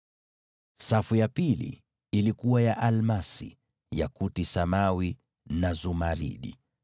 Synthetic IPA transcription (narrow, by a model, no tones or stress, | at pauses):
safujapilḭː | likuwajaʔalmasḭ | ja̰kutisamawi | nazumaɾḭɗḭ